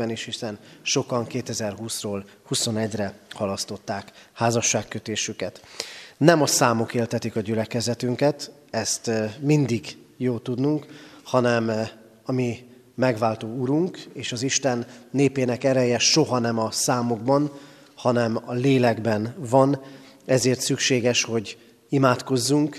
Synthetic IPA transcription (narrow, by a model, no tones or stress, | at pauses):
ɛneːʃhisɛnʃo̞kɒŋkeːt̪ɛzɛrɦuːsroːl | huso̞nɛɟrɛhɒlɒst̪o̞t̪ːaːkhaːzɒʃːaːkːøt̪eːʃykɛt̪nɛmɒsaːmo̞keːlt̪ɛt̪ikɒɟylɛkɛzɛt̪yŋkɛt̪ | ɛst̪mind̪iɡ | joːlt̪ud̪nuŋkhɒnɛm | ɒmi | mɛɡʋaːlt̪oːuɾuŋkeːʃɒziʃt̪ɛnːeːpeːnɛkɛɾɛjɛʃo̞ɦɒnɛmɒsaːmo̞ɡbɒn | hɒnɛmɒleːlɛɡbɛnvɒn | ɛzeːrt̪sykʃeːɡɛʃho̞ɟ | imaːt̪ko̞zːuŋk